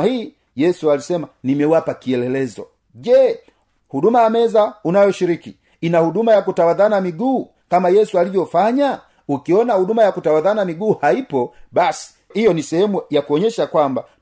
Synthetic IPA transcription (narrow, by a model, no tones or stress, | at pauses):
hiː | jɛsualisɛmanimɛwapakiɛlɛlɛzɔ̰ | ʄɛ | hudumajamɛzaunajɔʃiɾiki | inahudumajakutawaðanamiɡuː | kamajɛsualivjɔfaɲa | ukiɔnahudumajakutawaðanamiɡuːhaipɔbasi̥ | hijɔnisɛhɛmujakuɔɲɛʃakwamba